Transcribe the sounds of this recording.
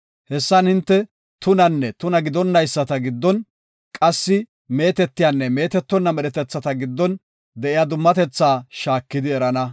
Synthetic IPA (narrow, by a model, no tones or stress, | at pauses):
hɛsːɐnhɪnt̪ːɛ | t̪ʊnɐnːɛt̪ʊnɐɡɪd̪ɔnːɐjsːɐt̪ɐɡɪd̪ːɔn | kʼɐsːɪ | me̞ːt̪ɛt̪ːɪjanːɛme̞ːt̪ɛt̪ːɔnːɐmɛɾɛt̪ɛt͡sːɐt̪ɐɡɪd̪ːɔn | d̪ɛʔɪjad̪ʊmːɐt̪ɛt͡sːaːʃaːkːɪd̪ɪɛɾɐnɐ